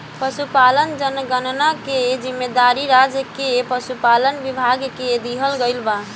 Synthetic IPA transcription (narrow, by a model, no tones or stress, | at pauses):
pəsupalənd͡ʒənɡənnaked͡ʒimːed̪aɾiɾad͡ʒəkepəsupalənʋibʱaɡked̪iɦəlɡəɪlba